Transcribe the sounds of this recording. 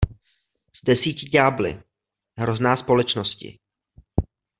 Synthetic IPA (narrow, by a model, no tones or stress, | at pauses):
z̥dɛsiːcɪɟaːblɪ̰ | ɦɾo̞znaːspo̞lɛt͡ʃno̞scɪ̰